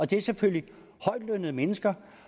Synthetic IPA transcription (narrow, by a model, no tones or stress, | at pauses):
ɒ̽d̥e̝æɐseføl̰li | hɒ̽ɪd̥lønəð̩ˠmenəsɡ̥ɐ